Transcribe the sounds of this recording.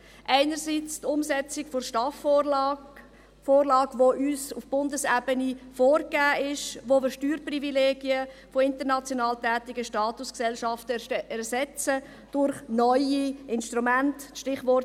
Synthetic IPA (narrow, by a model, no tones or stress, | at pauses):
ʔaɪnəɾsit͡stʊmsɛt͡sɪkfoʃtɑf | foːrlɑːɡvoʔyːsufb̥ʊndəsɛbənifoːɾkæːʔɪʃʋoʋɪʃtyːɾprivileːɡiəfoɪntəɾnɑt͡sjonɑːltɛːtɪɡəʃtɑːtʊsksɛlʃɑftəɛɾsɛt͡sə | d̥ʊɾχnɔʏiɪnʃtɾumæntʃtɪχvɔr